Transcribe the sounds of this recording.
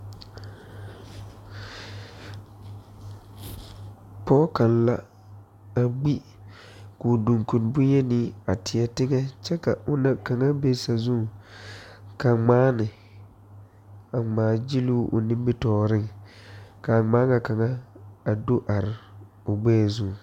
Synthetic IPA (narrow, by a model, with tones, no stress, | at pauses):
pɔː˦ka˨nla˦ | a˨ɡ͡bi˦ | kʊ˨du˨ŋku˨nbʊ˦ɲɛ˦nɪ˦a˨tɪ˨ɛ˦tɪ˦ŋɛ˦t͡ʃɛ˦ka˨ʔʊ˦na˨ka˨ŋa˦be˦sa˨zu˦˨ | ka˨ŋ͡maː˦nɪ˨ | a˨ŋ͡maː˨˦d͡ʒi˦lu˦ʔʊ̰˨nɪ̃˦m˦bi˦tɔː˦ɾɪ˦ŋ | ka˨ŋ͡maː˦ŋa˨ka˨ŋa˦a˨do˦ʔa˨ɾɪ˨ | ʊ˨ɡ͡bɛː˦˨zu˦˨